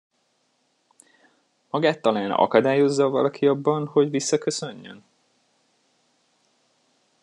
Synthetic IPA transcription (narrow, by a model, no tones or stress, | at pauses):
mɒɡaːt̪ːɒlaːnɒ̰kɒd̪aːjo̞zːɒvɒ̰lɒkʰiɒbːɒnho̞ɟvisːɒkø̞sø̞ɲːø̰n